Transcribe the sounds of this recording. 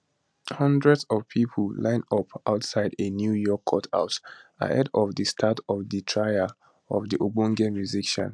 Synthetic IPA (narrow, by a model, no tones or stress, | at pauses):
hʌ̃ndɹɛdzɔvpʰipʰllãɪ̃nɔpʰa̰ʊtsaɪdenjujɔkʰːɔtʰa̰ʊta̰ʔɛdɔvdəstʰatʰɔvditʰɹaɪə | ɔvdiʔobũŋɡɛ̃nɹizikʃɔ̰̃n